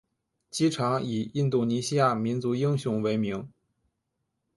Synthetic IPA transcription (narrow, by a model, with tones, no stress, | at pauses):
t͡ɕi˥ʈ͡ʂʰɑ˧˥ŋi˨˩i˥˧nt̪u˥˩ni˧˥ɕi˥ja˥˩mi˧˥nt͡su˧˥i˥ŋɕjʊ˧˥ŋwe˧˥ɪmi˧˥ŋ